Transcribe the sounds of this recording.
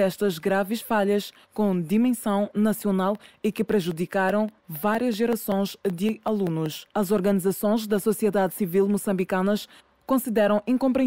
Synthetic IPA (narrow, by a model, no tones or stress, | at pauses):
ɛʃt̪ɐzɡɾavɨʃfaʎɐʃ | kõd̪imẽsɐ̃w̃nɐsiunalˠikɨpɾɨʒud̪ikaɾɐ̃w̃vaɾjɐʒʒɛɾɐsõj̃zd̪ɨɐlˠunuʃɐzɔɾɣɐnizɐsõj̃ʒd̪ɐsusiɛðad̪sivilˠmusɐ̃mbikɐnɐʃ | kõsiðɛɾɐ̃w̃ĩkõmpɾiẽ